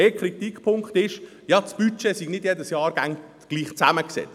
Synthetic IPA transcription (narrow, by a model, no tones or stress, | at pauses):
eːkχɾit̪ikpʰʊŋkχt̪ɪʃ | jɑt͡sb̥yt͡ʃesiɡnɪd̥jedəsjɑːɾɡ̥æŋ | ɡ̥liːχt͡sæməksɛ̰t͡s